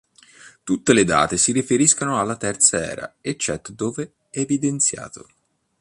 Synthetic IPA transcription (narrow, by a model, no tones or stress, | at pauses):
t̪ut̪ːeled̪a̰ːt̪esiɾifeɾiskanoalːat̪ɛrt̪saɛ̰ːɾa̰et͡ʃːɛt̪ːd̪oːve | ɛːvid̪ent̪sja̰ːt̪o̰